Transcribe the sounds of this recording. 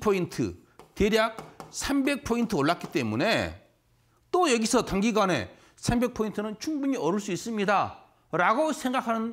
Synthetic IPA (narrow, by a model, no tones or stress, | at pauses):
pʰointʰɯ̰ | teɾjak̚sʰambe̞k̚pʰointʰɯoɭːak͈i̥t͈e̞mune̞ | t͈ojʌɡisʰʌtaŋɡiɡwane̞̰ | sʰambe̞k̚pʰointʰɯnɯnt͡ɕʰuŋbuɲiʌɾɯɭs͈uis͈ɯmɲida | ɾaɡosʰe̞ŋɡakʰanɯn